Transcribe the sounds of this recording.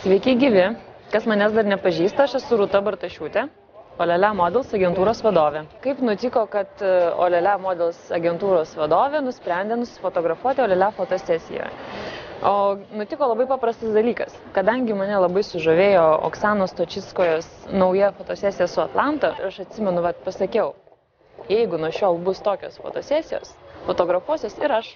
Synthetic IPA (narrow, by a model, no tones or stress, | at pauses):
sʲʋʲɛɪkʲɛɪɡʲiʋʲɪkɐsmɐnʲæːs̬d̪ɐɾnʲɛpɐʒʲiːst̪ɐɐʃɛsʊɾʊt̪ɐbɐɾt̪ɐʃʲuːt̪ʲɛ | oːlʲɛlʲæmoːd̪ʲɛlˠsɐɡʲɛnt̪uːɾoːsʋɐd̪oːʋʲeːkɐɪpnʊt̪ʲɪkoːkɐt̪o̰ːlʲɛlʲæmoːd̪ʲɛlˠsɐɡʲɛnt̪uːɾoːsʋɐd̪oːʋʲeːnʊsʲpʲɾʲɛnʲd̪ʲɛnʊsʲɪ̥foːt̪oːɡɾɐfuɔt̪ʲɪoːlʲɛlʲæːfoːt̪oːsʲæːsʲɪ̰jo̰ːj | oːnʊt̪ʲɪkoːlˠɐbɐɪpɑːpɾɐst̪ɐsd̪ɐlʲiːkɐskɐd̪ɐŋʲɡʲɪmɐnʲɛlˠɐbɐɪsʊʒoːʋʲeːjoːo̰ksɑːnoːst̪oːt͡ʃʲɪskoːjoːsnɐʊjɛfoːt̪oːsʲæːsʲɪjɛsʊɐt̪lˠɑnt̪oɪɾɐʃɐt̪ʲsʲɪmʲɛnʊʋɐt̪pɐsɐkʲɛʊ | jɛɪɡʊnuɔʃʲoːlˠbʊst̪oːkʲo̰ːsfo̰ːt̪oːsʲæːsʲɪjo̰ːsfoːt̪oːɡɾɐfuɔsʲoːsɪɾɐʃ